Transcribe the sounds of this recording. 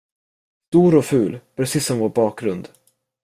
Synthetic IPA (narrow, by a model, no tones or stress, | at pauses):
st̪uːɾɔfʉ̟ːlpʰɾɛsiːsːɔmvoːɾbɑːk̚ɡɾɵnd̪